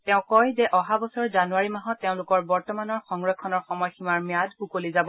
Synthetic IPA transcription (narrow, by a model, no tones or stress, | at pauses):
tɛʊ̃kɔjzɛʔɔɦabɔsɔɹzanuaɹimaɦɔtːeʊ̃lʊkɔɹbɔɹtɔmanɔɹxɔŋɹɔkʰːɔnɔɹxɔmɔjximaɹmjadukolizabɔ